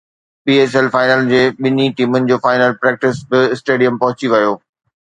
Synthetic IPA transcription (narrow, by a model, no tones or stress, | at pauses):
piːeːs̬ɛlfaːɪnəld͡ʑeːɓɪniʈiːmʊnɪ̆d͡ʑoːfaːɪnəlpɾɛːk̚ʈɪsbɪɪsʈeːɖijəmpɐɦʊt͡ɕiʋɐjoː